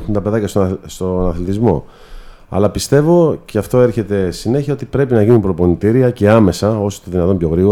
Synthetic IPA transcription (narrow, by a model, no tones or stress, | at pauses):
xunt̪ɐpe̞ðɐcɐsst̪onɐθlit̪izmo̞̰ | ɐ̰lɐpist̪e̞vo̞ceɐft̪o̞e̞ɾçe̞t̪e̞sine̞çiɐo̞t̪ipɾe̞pinɐʝinipɾo̞po̞nit̪iɾiɐce̞ɐme̞sɐo̞so̥t̪eðinɐt̪o̞mpço̞ɣɾiɣo